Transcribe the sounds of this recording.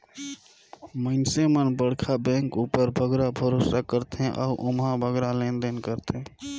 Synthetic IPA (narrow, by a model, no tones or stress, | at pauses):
məɪnsemənbəɽkʰabɛ̃ŋkupəɾbʱəɡɾabʱəɾoːsakəɾt̪ɦɛ̃ʔɔːʔʊmɦabʱəɡɾalẽnd̪enkəɾt̪ɦɛ̃